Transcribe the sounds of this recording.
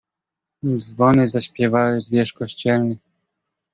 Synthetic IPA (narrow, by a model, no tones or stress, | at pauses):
zvɔnɘzaɕpʲjɛvawɘzvʲjɛʂkɔɕt͡ɕɛlnɘ